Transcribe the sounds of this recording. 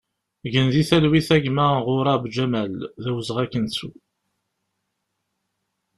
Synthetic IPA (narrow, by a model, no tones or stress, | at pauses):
ʝənðiθælwiθæɡmæʁʊɾˤɑbd͡ʒæmælðæwəzʁækːənsu